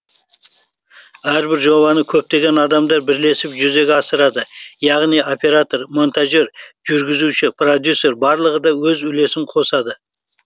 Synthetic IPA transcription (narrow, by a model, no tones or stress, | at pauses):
æɾbɪɾʒo̞βɑnəkʲʰɵp̚t̪e̞ɡʲe̞nɑd̪ɑmd̪ɑɾbɪɾle̞sɪpʒʏze̞ɡʲɑsəɾɑd̪əjɑʁnijo̞pʲe̞ɾat̪o̞rmo̞nt̪aʒe̞ɾʒ̥ʏɾɡʲɪzuʃɪpʰrod̪ʲjusːe̞ɾbɑɾlˠəʁəd̪ɑwɵzʏle̞sɪmqʰo̞sɑd̪ə